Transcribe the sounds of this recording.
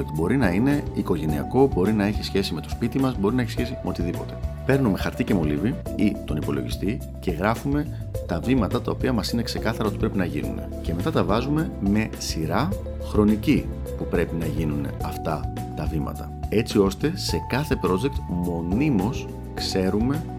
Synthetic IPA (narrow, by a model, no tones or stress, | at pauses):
kt̪bo̞ɾinɐine̞iko̞ʝe̞niɐ̰ko̞bo̞ɾinɐe̞çisçe̞sime̞t̪o̞spit̪imɐzbo̞ɾinɐeçisçe̞simeo̞t̪iðipo̞t̪e̞̥pe̞ɾnume̞xɐɾt̪ice̞mo̞lḭviit̪o̞nipo̞lo̞̰ʝist̪i | ce̞ɣɾɐfume̞ | t̪ɐvimɐt̪ɐt̪ɐo̞piɐmɐsine̞kse̞kɐθɐɾɐo̞t̪i̥pɾe̞pinɐʝḭnṵne̞̰ce̞met̪ɐt̪ɐvɐzume̞me̞siɾɐ | xɾo̞nici | pupɾe̞pinɐʝinun̰ɐft̪ɐt̪ɐvimɐ̰t̪ɐ | e̞t͡sio̞st̪e̞se̞kɐθe̞pɾo̞d͡ze̞k̚t̪mo̞nimo̞s | kse̞ɾume̞